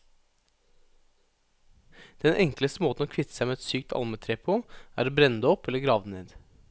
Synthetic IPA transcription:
d̪̥ɛnʔɛŋkləst̪əmoːt̪n̩oːkʰʋɪt̪ə̥sæɪmeːɛt̪syːkt̪ʰɑ̰lmət̪ʰɾeːpʰʊæːɾbɾɛnd̪əɔpɛləɡɾɑːʋd̪neːd̪

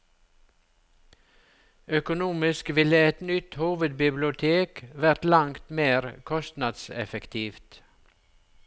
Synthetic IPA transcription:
œkʊnuːmɪskʋɪləɛt̪nʏt̪huːʋəd̪̚bɪblɪʊt̪ʰeːkʋæɾt̪lɑŋt̪meːɾkʰɔst̪nɑd̪sɛ̰fɛkt̪ʰiːft̪

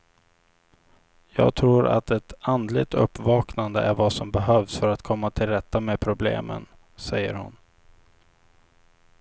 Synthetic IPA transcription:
jɑːɡ̚t̪ʰɾuːɾa̰t̪ɛt̪and̪lɪɡ̚t̪ɵ̰pːvɑːknand̪əʔæɾvasɔmbɛɦœːvsfœɾat̪kʰɔmːat̪ʰɪlɾɛt̪ːameːpʰɾʊblḛːmə̰n | sɛjːə̰ɾhʊ̰n

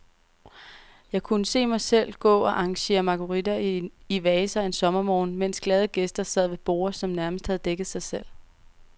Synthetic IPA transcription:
jɑ̈ɪkʰunəse̝̰ːmɑ̈ɪsel̰ɡ̥ɔ̰̽ːɒ̽ʔɑ̈ŋɕe̝̰ːɐmɑ̈kʰo̝ʁid̥ɐiʋɛːsɐe̝nsɒ̽mɐmɒːn̩men̰sɡ̥lɛð̞ˠəɡ̥esd̥ɐsɛð̰ˠʋe̝b̥o̝̰ːɐsɒ̽mnæɐməsd̥hæð̞ˠd̥eɡ̥ð̩ˠsɑ̈ɪsel̰

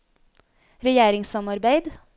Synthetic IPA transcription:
ɾɛjeːɾɪŋsɑmɑɾbæɪd̪

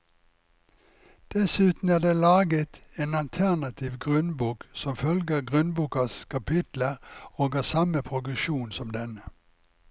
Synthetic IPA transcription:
d̪̥ɛsʉːt̪n̩æːʁd̪eːlɑːɡət̪eːnɑlt̪ʰæʁnɑt̪ʰɪʋɡʁʉnbuːksɔmfœlɡəʁɡʁʉnbuːkɑskʰɑpʰɪt̪ləʁoːɡɑːsɑməpʰʁʊɡəʃuːnsɔmd̪ɛnə

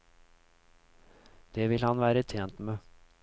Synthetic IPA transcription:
d̪̥eːʋɪlhɑnʋæːɾət̪ʰeːnt̪meː

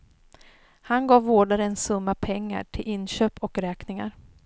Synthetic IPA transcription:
hanɡɑːvːoːɖaɾəɛnsɵmːapʰɛŋːa̰ʈʰɪlʔɪnːɕøːpɔkɾɛːknɪŋa̰ɾ

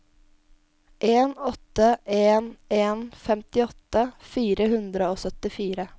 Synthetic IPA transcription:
ʔeːnɔt̪ːəʔeːneːnfɛmt̪ɪɔt̪ːəfiːɾəhʉnd̪ɾəoːsœt̪ɪfiːɾə

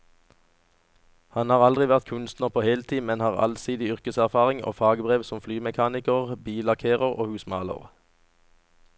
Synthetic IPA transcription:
hɑnhɑːʁɑld̪ʁɪʋæʁt̪̚kʰʉnst̪nəʁpʰoːheːlt̪ʰiːmɛnhɑːʁɑ̰lsiːd̪ɪʏʁkəsæʁfɑːʁɪŋo̰ːfɑːɡəbʁeːʋsɔmflyːmɛkʰɑːnɪkəʁbiːlɑʁkʰeːʁəʁo̰ːhʉːsmɑ̰ːlə̰ʁ

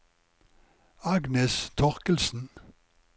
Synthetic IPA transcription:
ɑɡnɛst̪ʰɔʁkəlsn̩

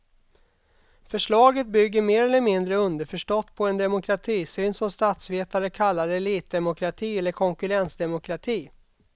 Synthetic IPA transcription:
fœʂɭɑːɡət̪̚bʏɡːəɾmeːɾɛlːəɾmɪnd̪ɾəɵnd̪əɾfœʂʈɔt̪ːpʰɔɛnd̪ɛmʊkʰɾat̪ʰiːsyːnsɔmst̪at̪sveːt̪aɾəkʰalːaɾəɛliːt̪̚d̪ɛmʊkʰɾat̪ʰiːɛlːəɾkʰɔŋkɵɾɛnsd̪ɛmʊkʰɾat̪ʰiː

